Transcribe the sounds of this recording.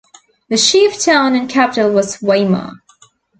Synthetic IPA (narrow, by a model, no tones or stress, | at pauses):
ðɨʃiftʰãʊ̃nɨ̃nkʰæpətl̩ˠwʌz̥weɪmə̰